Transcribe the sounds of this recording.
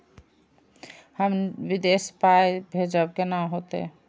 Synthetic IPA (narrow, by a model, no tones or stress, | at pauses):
həmʋid̪espaebʱed͡ʒəb̚kenaɦot̪ḛ